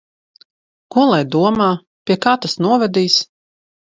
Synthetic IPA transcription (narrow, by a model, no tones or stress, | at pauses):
kuɔlˠajd̪uɔmaː | pʲiɛkaːt̪asnuɔvɛd̪iːs